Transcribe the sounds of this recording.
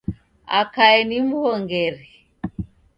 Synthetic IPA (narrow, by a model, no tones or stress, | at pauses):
a̰kaɛnim̩hɔŋɡɛɾi